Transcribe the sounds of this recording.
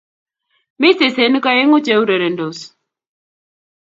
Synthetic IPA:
mɪ˦se˨se˨˦n˦ka˦e˦ŋo˦t͡ʃe˦u˦ɾe˨ɾe˨ndo˨s

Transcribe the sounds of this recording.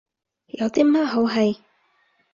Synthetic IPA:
jɐ˨˧wt̪iː˥ma˥ɦo˨˧˥wɦɐ˨j

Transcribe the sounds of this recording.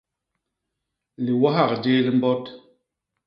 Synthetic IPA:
li˨wa˦ɦa˦˨kd͡ʒe˦li˦m̩˦bɔ˦t

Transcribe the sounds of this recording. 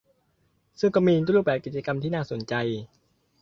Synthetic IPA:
sɯ˥˩ŋkɔː˥˩miː˧t̪ːɾuː˥˩pbɛː˨˩p̚ki˨˩t̪̚t͡ɕa˧ka˧mt̪ʰiː˥˩naː˥˩so˨˩˦nt͡ɕa˧j

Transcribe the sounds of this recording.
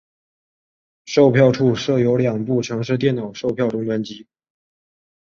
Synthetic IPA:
ʂo˥˧ʊpʰjɑ˥˧ʊʈ͡ʂʰu˥˧˩ʂɤ˥˩jo˧˥ʊljɑ˨˩ŋpu˥˩ʈ͡ʂʰɤ˧˥ŋʂ̬ɻ̩˥˧t̪jɛ˥˩nnɑ˨˩ʊʂo˥˧ʊpʰjɑ˥˩ʊʈ͡ʂʊ˥ŋtwə˧˥nt͡ɕi˧˥

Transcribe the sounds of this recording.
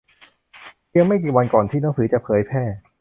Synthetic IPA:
i˧mːa˥˩jk̬iː˨˩wa˧nkɔː˨˩nt̪ʰiː˥˩naː˩˦ŋsɯː˩˦˥t͡ɕa˨˩pʰɤː˩˦jpʰɛː˥˩

